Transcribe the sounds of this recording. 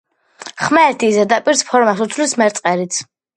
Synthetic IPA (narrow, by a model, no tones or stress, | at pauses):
χmɛːɾt̪ʰizɛd̪apʼiɾspʰɔɾmasut̪sʰlismɛɾt̪sʼqʼɛɾit̪sʰ